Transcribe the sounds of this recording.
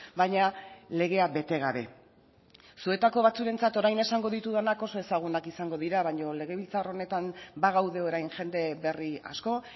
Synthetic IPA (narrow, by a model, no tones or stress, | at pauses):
bajɲale̞ɣ̞e̞abe̞t̪e̞ɣ̞aβe̞ | sue̞t̪ako̞β̞at͡suɾe̞nt͡sat̪oɾajne̞saŋɡo̞ðit̪uðanako̞so̞e̞saɣ̞unakisaŋɡo̞ðiɾaβaɲo̞le̞ɣ̞e̞β̞ilt͡saro̞ne̞t̪anbaɣ̞awðe̞o̞ɾajnʝe̞nd̪e̞βe̞ria̰sko̞